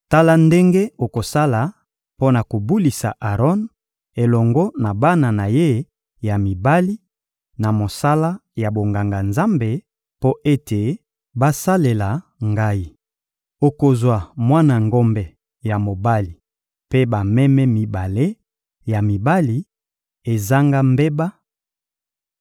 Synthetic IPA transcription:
ta˦la˦nde˦ŋɡe˦o˨ko˨sa˦la˨ | po˦na˨ko˨bu˦li˨sa̰˨ʔa˨ʁɔ˦n | e˨lɔ˨ŋɡɔ˦na˨ba˦na˨na˨je˦ | ja˨mi˨ba˦li˦ | na˨mo˨sa˦la˦ja˨bo˨ŋɡa˨ŋɡa˨nza˦mbe˨ | po˦ʔe˦te˨ | ba˦sa˦le˨la˨ŋɡa˦i˦˨ | o˨ko˨zwa˨mwa˦na˨ŋɡɔ˦mbɛ˨ | ja˨mo˨ba˦li˨ | pe˦ba˨mɛ˦mɛ˦mi˨ba˨le˦ | ja˨mi˨ba˦li˨ | e˨za˦ŋɡa˦mbe˦ba˦

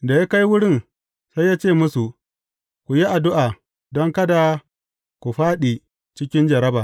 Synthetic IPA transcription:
da˨ja˦ka˦jwʊ˦ɽɪ˦˨n | sa˦jaː˦t͡ʃeː˦˨mʊ˦su˨ | kʷu˨ji˦ʔa˨dʊ˦ʔaː˨ | dɔ˦ŋkɐ˦da˨ | kʷu˨ɸaː˦ɗi˨ | t͡ʃɪ˦kʲɪ˦nd͡ʒɐ˨ɾɐ˦baː˨

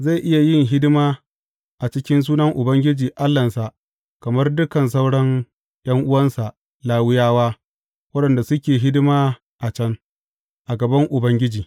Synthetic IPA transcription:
za˦˨ʔɪ˦ja˨jɪ˦˨ŋɦɪ˦dmaː˦ | ʔa˨t͡ʃɪ˦kʲɪ˦ns̬uː˦nɐ˦ŋʔʊ˨bɐ˦ŋɡʲɪ˦d͡ʒiː˨ʔa˦lːɐ˨nsa˨ʔ | kɐ˨mɐ˦rdʊ˦kɐ˨ns̬a˦wɽɐ˦ŋ | j̰ɐ˦ŋʔʊ˦wɐ˦nsa˨ʔ | laː˦wɪ˦jaː˦waː˦ | wɐ˦ɗɐ˨nda˨sʊ˦kʲeː˨ɦɪ˦dmaː˦ | ʔa˨t͡ʃɐ˦ŋ | ʔa˨ɡɐ˨bɐ˦ŋʔʊ˨bɐ˦ŋɡʲɪ˦d͡ʒiː˨

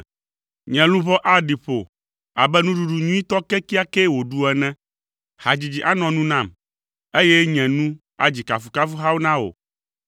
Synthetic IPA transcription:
ɲɛ̃˨lũ˦βɔ˦ʔa˦ɖi˨ɸo̰˨ | a˨bɛ˦nũ˦ɖu˨˦ɖu˨ɲũ˦ĩ˦t̪ɔ˦kɛ˦ki˦a˦kɛ˦wo˨ɖu˨ɛ˨nɛ̃˦ | ha˨d͡ʑi˨d͡ʑi˨ʔa˦nɔ̃˨nũ˦nã˦˨m | e˦jɛ˦ɲɛ̃˨nũ˦ | a̰˨d͡ʑi˨ka˨fu˨ka˦fu˦ɦa˦wu˦nã˦o̰˨

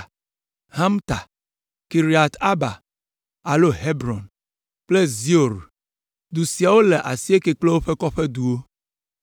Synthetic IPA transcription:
ha˦mt̪a˨ | ki˨ɾi˨a˨t̪a˦ba˨ | a˨lo˦ɦe˦bɾɔ˨n | k͡ple˦zi˦o˨ɾ | d̪u˨si˨a˨wo˦le˨ʔa˨si˦e˦ke˨k͡ple˦wo˦ɸe˦kɔ˦ɸe˦d̪u˨wo˦

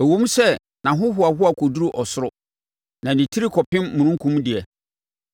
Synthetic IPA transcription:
ɛ˨wõ˦m˦sɛ˦ | nã˨ɦʊ̃˦ɦʊ˨˦a˨ɦʊ˦a˨kʰɔ˨du˦ɾu˦ʔɔ˨sʊ˦ɾʊ˦ | nã˨nĩ˨tʰi˦ɾi˦kʰɔ˨pʰɪ̃˦mmũ˨nʊ̃˦ŋ˦kʰũ˦m˦dɪ˨ɛ˨

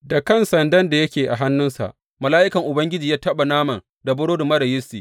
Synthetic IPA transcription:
da˨kɐ˦˨nsɐ˨ndɐ˦nda˨jɐ˦kʲeː˨ʔa˨ɦa˦nːʊ˦nsa̰˨ʔ | mɐ˨laː˦ʔɪ˦kɐ˨ŋʔʊ˨bɐ˦ŋɡʲɪ˦d͡ʒiː˨jaː˦tɐ˦ɓa˨naː˦mɐ˨n | da˨bʊ˦ɽoː˦dʊ˨mɐ˦ɾɐ˨jɪ˦stiː˨

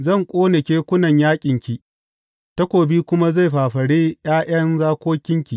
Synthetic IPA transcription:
zɐ˦˨ŋkʷʼoː˦nɪ˨kʲeː˦kʷʊ˦nɐ˨ɲjaː˦kʲʼɪ˨ŋkʲi˨ | tɐ˦kʷoː˨biː˦kʷʊ˦ma˦za˦˨jɸaː˨ɸɐ˨ɽeː˦j̰aː˦j̰ɐ˦nzaː˦kʷoː˦kʲɪ˦ŋkʲi˨

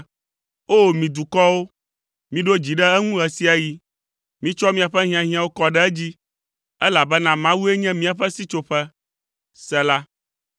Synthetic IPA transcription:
o˦˨mĩ˨d̪u˨kɔ˦wo˦ | mĩ˨ɖo˦d͡ʑi˨ɖɛ˦ɛ˦ŋũ˦ɦɛ˨si˦a˨ji˨ | mĩ˦t͡ʃɔ˦mĩ˦a˨ɸɛ˦ɦĩ˦ã˨ɦĩ˦ã˨wo˦kɔ˦ɖɛ˦ɛ˦d͡ʑi˦ | ɛ˦la˨bɛ˦nã˦mã˦wu˦e˦ɲɛ̃˦mĩ˦a˨ɸɛ˦si˦t͡ʃo˦ɸɛ˦ | sɛ˦la˦

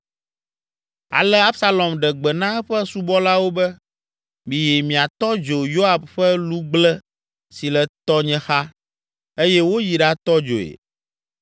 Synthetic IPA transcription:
a̰˨lɛ˦a˦bsa˦lɔ˨mɖɛ˨ɡ͡bɛ˨nã˦ɛ˦ɸɛ˦su˦bɔ˦la˦wo˦bɛ˦ | mĩ˨jɛ˨mĩ˨a˨t̪ɔ˦d͡ʒo˨jo˦a˨bɸɛ˦lu˦ɡ͡blɛ˦ | si˨lɛ˨t̪ɔ˦ɲɛ̃˦xa˦ | e˦jɛ˦wo˦ji˨ɖa˦t̪ɔ˦d͡ʒo̰˨ḛ˨

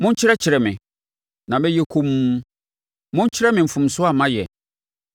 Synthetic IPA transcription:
mʊ̃˦ɲ̩˦t͡ɕʰɪ˦ɾɛ˦t͡ɕʰɪ˨ɾɛ˨mɪ̃˨ | nã˨mɪ̃˦jɛ˦kʰũ˦m˦ | mʊ̃˦ɲ̩˦t͡ɕʰɪ˦ɾɛ˦mɪ̃˨m̩˨fʊ̃˨m̩sʊ˦a˨mã˦jɛ˨

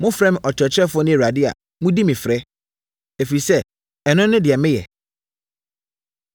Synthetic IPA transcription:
mʊ̃˦fɾɛ̃˦m˨ʔɔ˨t͡ɕʰɾɛ˨t͡ɕʰɾɛ˦fʊ˦ɔ˦nɪ̃˦˨ɾa˨dɪ˦a̰˨ | mʊ̃˦di˦mɪ̃˨fɾɛ˦ | e˨fi˨sɛ˦ | ɛ˨nʊ̃˦nʊ̃˦dɪ˨ɛ˨mɪ̃˦jɛ̰˨

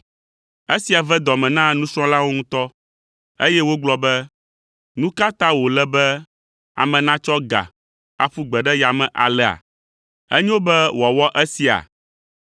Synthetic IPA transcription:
e˦si˨a˨vɛ˦d̪ɔ˨mɛ̃˨nã˦nũ˦sɾɔ̃˦la˦wo˦ŋũ˦t̪ɔ˦ | e˦jɛ˦wo˦ɡ͡blɔ˦bɛ˦ | nũ˦ka˦t̪ã˦wo˨lɛ˦bɛ˦ | a̰˨mɛ̃˨nã˦t͡ʃɔ˦ɡa̰˨ | a̰˨ɸu˦ɡ͡bɛ˨ɖɛ˦ja˨mɛ̃˨ʔa˨lɛ˨a̰˨ | ɛ˦ɲɛ˦wo˦bɛ˦wɔ˨wɔ˦ʔɛ˦si˨a̰˨

